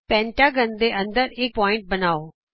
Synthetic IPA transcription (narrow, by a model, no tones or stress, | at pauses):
pɛ̃ːɳʈaːɡənd̪eːʔə̃nd̪əɾɪk̚pɔːɪ̃ɳʈ̚bənaːoː